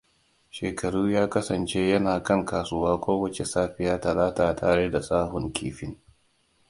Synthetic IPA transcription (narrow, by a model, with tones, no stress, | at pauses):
ʃeː˨kɐ˨ɽuː˦jaː˦kɐ˦sɐ˨nt͡ʃe˦jɐ˦naː˨kɐ˦˨ŋkaː˨sʊ˦waː˦kʷoː˦wɐ˦t͡ʃe˨saː˦ɸɪ˨jaː˦tɐ˨laː˦taː˨tʰa̰ː˨ɽe˦da˨sʼaː˦hʊ˨ŋkʲḭː˨ɸɪ˦ŋ